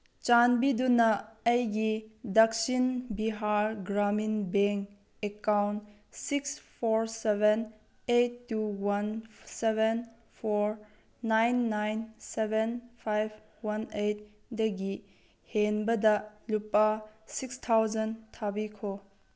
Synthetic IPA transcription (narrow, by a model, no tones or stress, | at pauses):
t͡ʃanbidunɐːjɡidɐk̚sinbiɦaɾɡɾaminbeŋ | ekawn | sikspʰɔɾseben | ejtːuwanseben | pʰɔɾ | najnːajnsebenpʰajb̚ | wanejt̚ | dɐɡi | henbɐdɐlupasikstʰawzɐntʰabikʰo